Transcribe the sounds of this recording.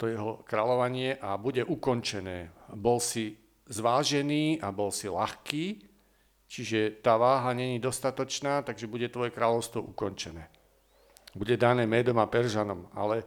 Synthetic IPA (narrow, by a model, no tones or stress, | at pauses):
t̪ɔjɛɦɔkɾaːlɔʋaɲɪɛʔabuɟɛʔukɔnt͡ʃɛnɛːbɔlsi | zʋaːʒɛniːabɔlsilaxkiː | t͡ʃiʒɛt̪aːʋaːɦaɲɛɲid̪ɔst̪at̪ɔt͡ʃnaːt̪aɡʒɛbuɟɛt̪ʋɔjɛkɾaːlɔʊst̪ʋɔʔukɔɲt͡ʃɛnɛː | buɟɛd̪anɛːmɛːd̪ɔmapɛɾʒanɔma̰lɛ